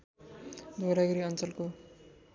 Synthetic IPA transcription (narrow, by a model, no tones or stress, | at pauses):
d̪ʱoɾaɡʌɾiʌnt͡sʌlko